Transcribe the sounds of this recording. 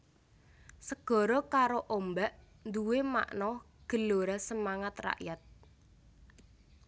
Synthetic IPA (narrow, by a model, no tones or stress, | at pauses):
səɡ̥ɔ̤ɾɔkaɾoʔombaʔ | nd̪uwema̰ʔnɔ | ɡ̥ə̤loɾasəmaŋat̪ra̰ʔjat̪̚